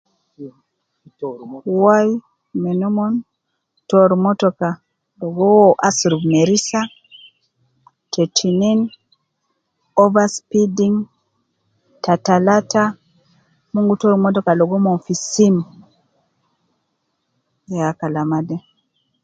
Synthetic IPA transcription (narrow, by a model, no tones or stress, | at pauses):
waj | mɛnumɔn | tɔɾmɔtɔka | lɔɡɔwɔʔasɾuɡmeɾisa | tetʰinin | ɔvaspidiŋ | tatalata | muŋɡutɔɾmɔtɔkalɔɡɔmɔnfisin | jakalamadɛ